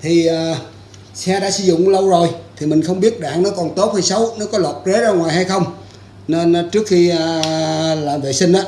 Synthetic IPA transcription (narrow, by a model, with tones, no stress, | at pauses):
t̪ʰi˨˩aː˨˩ | sɛ˧ɗa̰ː˧˥sɨ̰˧zʊ̰˧˨ŋ͡mlə˧wzo˨˩jt̪ʰi˨˩mï˨˩ŋ̟xə˧wŋ͡mɓi˦˥ət̚ɗa̰ː˧˨ŋnɔ˨˦kɔ˨˩nt̪o˦˥t̚hə˧jsə˨˦wnɔ˨˦kɔ˨˦lwə˨˩t̚ze˨˦˥zaː˧ŋwaː˨˩jɦa˧jxə˧wŋ͡m | ne˧nː˨˦t͡ɕɨ˦˥ək̚xiː˧˨laː˨˩vḛ˧˨sï˧ŋ̟ʔaː˧˦˥